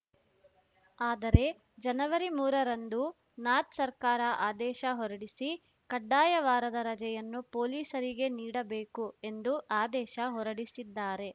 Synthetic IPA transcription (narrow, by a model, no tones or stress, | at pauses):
aːd̪ɐɾe̞ | d͡ʒɐnɐʋɐɾimuːɾɐɾɐnd̪u | naːt̪sɐɾkaːɾɐʔaːd̪ɛːʃɐɦɔɾɐɽisi | kɐɖːaːjɐʋaːɾɐd̪ɐɾɐd͡ʒɛjɐnːupoːliːsɐɾiɡe̞niːɽɐbeːkue̞nd̪uʔaːd̪ɛːʃɐɦɔɾɐɽisid̪ːaːɾe̞